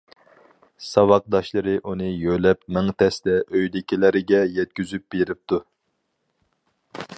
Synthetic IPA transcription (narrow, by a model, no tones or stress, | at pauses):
sɑwɑq̚d̪ɑʃlˠɨɾɨʔunɨjølɛpmɪŋt̪ʰɛsd̪ɛʔøjlɪkʲilæɾɪɡʲɛjɛt̪̚kʲyzyp̚beɾɪp̚t̪ʰu